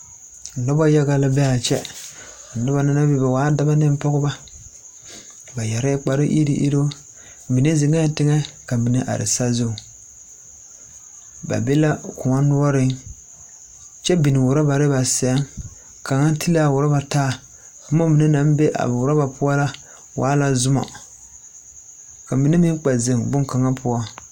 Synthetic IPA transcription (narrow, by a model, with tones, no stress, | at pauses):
nɔ˦ba˦ja˦ɣa˨la˦bɛ˦a˨t͡ʃɛ˦˨ | nɔ˦ba˨na˦na˦be˦ba˨waː˨˦da˦ba˦nɪ˦m˦pɔ˦ɣʊ˦ba˦ | ba˨ja˨ɾɛ˦k͡pa˦ɾɪ˦ʔḭ˦ɾḭ˦ʔḭ˦ɾo˦ | mi˨ne˦zɪ˨ŋɛ˦tɪ˦ŋɛ˦ka˨mi˨ne˦ʔa̰˨ɾɪ̰˨sa˦zo˦˨ | ba̰˨be˦la˦kʊ˨ŋa˦nʊ˦ɔ˦ɾɪ˦ŋ | t͡ʃɛ˦bi˨nɪ˨wʊ˨ɾa˦ba˨ɾɪ˦ba˨sɛ˦ŋ | ka˨ŋa˦tʰi˦la˦˨wʊ˨ɾa˦ba˨taː˦˨ | ka˨mo˦mi˨nɛ˦na˨˦m˦be˦ʔa̰˨bwʊ˨ɾa˦ba˨pʊ˦a˦la˦ | wa̰ː˨˦la˨zʊ˦ma̰˨ | ka˨mi˨ne˦mɪ˦ŋ˦k͡pa˨ze˨ŋbʊ˦ŋka˨ŋa˦pʰʊ˦a˦